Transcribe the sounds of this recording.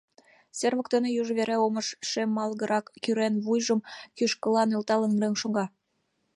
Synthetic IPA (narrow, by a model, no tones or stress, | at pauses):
serβə̆kt̪enejuʒβeɾeoməʃʃemːɑlɣəɾʔɑkːyɾenβujʒəmkyʃkəlɑnølt̪ɑlənrenʃoŋɡɑ